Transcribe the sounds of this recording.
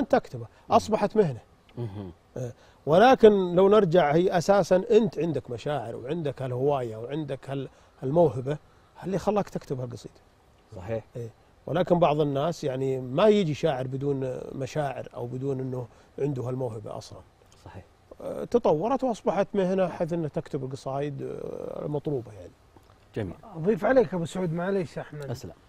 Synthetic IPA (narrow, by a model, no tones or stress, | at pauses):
ʔant̪ʔakt̪ʊba | ʔɑsˤbɑħat̪mɪhna | ʔeː | wɪlaːkɪnlawnɪɾˤd͡ʒaʕhiːʔasaːsanʔɪnt̪ʕɪnd̪akmaʃaːʕɪ̰ɾwʕɪnd̪akhalhʊwaːjaʔwʕɪnd̪akhal | halmawhɪba | halːixɑlːɑːkt̪akt̪ʊbhalɡɑsˤḭːd̪ | sˤɑħiːħʔeː | wʔɪlaːkɪnbɑʕðˤɪnːaːsjaʕnimajɪd͡ʒiʃaːʕɪɾbɪd̪uːnmaʃaːʕɪ̰ɾʔa̰wbɪd̪uːnʔɪnːʊ | ʕɪnd̪ʊhalmawhɪba̰ʔɑ̰sˤlɑ̰n | sˤɑħiː | t̪ɑt̪ˤɑwːɑɾˤɑt̪wʔɑsˤbɑħat̪mɪhɪnaʔaħeːθʔɪnːakt̪ɪkt̪ʊbɪlɡɨsˤɑːjɪd̪̰mɑt̪ˤluːbajaʕni | d͡ʒamḭːlɑðˤiːfʕaleːkabɪsʕuːd̪maleːʃaħmadasla̰m